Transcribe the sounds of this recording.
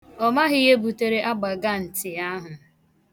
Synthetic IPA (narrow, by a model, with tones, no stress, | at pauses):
ɔ˦ma˦ɦɪ˦je˦bu˨te˨ɾe˦ʔa˦ɡ͡ba˨ɡa˦n̩˨tɪ˨a˦ɦʊ˨